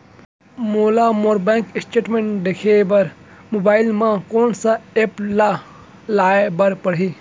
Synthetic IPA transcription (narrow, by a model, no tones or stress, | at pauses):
moːlaːmoːɾbɛ̃ːŋkɪsʈeːʈmẽɳʈɖekʰebəɾ | mobaːɪlmãkoːnsaeːpla | laːebəɾpəɽ̤iː